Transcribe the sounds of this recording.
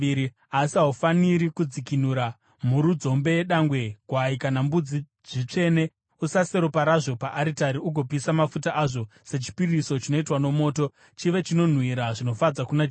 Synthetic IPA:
i | asaufaniɾikud͡zikinuɾa | muɾud͡zo̞mbe̞jeɗaŋɡwe̞ɡʱwaikanambud͡zi | ʐit͡ʂe̞ne̞ | usase̞ɾopaɾaʐo̞paʔaɾitaɾiuɡʱo̞pisamafutaʔaʐo̞se̞t͡ʃi̥piriso̞t͡ʃino̞itwano̞mo̞ːto̞ | t͡ʃiʋe̞t͡ʃino̞n̤wiɾaʐino̞fad͡zakuna

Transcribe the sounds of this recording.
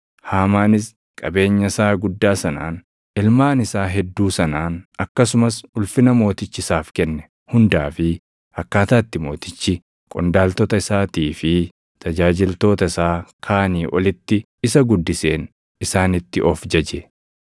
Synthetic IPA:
haːmaːnɪs | kʼɐbe̞ːɲːɐsaːɡʊd̪ːaːsɐna̰ːn | ɪlmaːnɪsaːɦɛd̪ːuːsɐnaːnɐkːɐsʊmɐsʊlfɪnɐmo̞ːt̪ɪt͡ʃːɪsaːfkɛnːɛ | hʊnd̪aːfɪ | ɐkːaːt̪aːt̪ːɪmo̞ːt̪ɪt͡ʃːɪ | kʼɔ̰nd̪aːlt̪ɔt̪ɐɪsaːt̪iːfɪ | t̪ʰɐd͡ʒaːd͡ʒɪlt̪o̞ːt̪ɐɪsaːkʰaːniːʔɔlɪt̪ːɪ | ɪsɐɡʊd̪ːɪseːn | ɪsaːnɪt̪ːɪʔɔfd͡ʒɐd͡ʒɛ

